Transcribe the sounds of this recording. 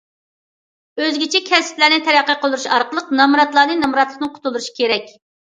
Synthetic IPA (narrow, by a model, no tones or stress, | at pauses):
øzɡʲit͡ʃʰɛkʲʰɛsɪ̥plæɾnɪt̪ʰɛɾæqːəqʰəlˠd̪uɾuʃɑɾqəlˠəqnɑmɾɑt̪lˠɑːnɨnɑmɾɑt̪lˠə̥χnɨŋqʰʊ̥t̪ʰʊlˠd̪uɾuʃi̥kʲeɾɛkʲ